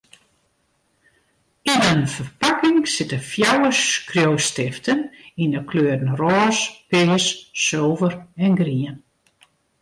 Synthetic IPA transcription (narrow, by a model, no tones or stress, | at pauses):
inənfərpakɪŋsɪtəfjawəskrjowstɪftʰəninəkʰløːdn̩rɔːspɪːssowvərɛnɡriən